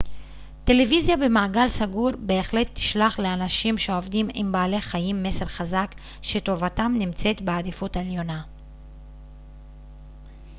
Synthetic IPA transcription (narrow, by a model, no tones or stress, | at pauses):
te̞levizjabemaːɡalsaɡuʁbe̞ːχle̞t̪ːi̥ʃlaχle̞anaʃimʃeovdimimbaːle̞χajimːe̞se̞ʁχazak | ʃe̞to̞vatamnimt͡se̞tbead̪ifuteljo̞na